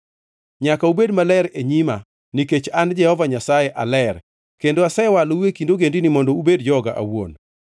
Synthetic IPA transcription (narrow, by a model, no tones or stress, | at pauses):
ɲakaubedmalɛɾeɲima | niket͡ʃand͡ʒɛhɔvaɲasajeʔalɛr | kendoasɛwalowekindoɡendinimɔndɔubedd͡ʒɔɡa̰ʔa̰wo̰n